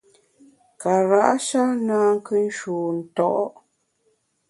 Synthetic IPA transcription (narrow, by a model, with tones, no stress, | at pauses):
ka˨ɾa˦˨ʔa˦ʃa˦naː˦ŋ̩˦kɨ˦n̩˦ʃuː˨n̩˨tɔ˦˨ʔɔ˦